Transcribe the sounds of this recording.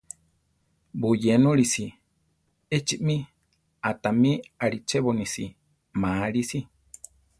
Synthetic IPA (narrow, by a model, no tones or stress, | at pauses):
bujenũɾisi | et͡ʃiʔmi | at̪amĩaɾit͡ʃeβonisi | maɾisi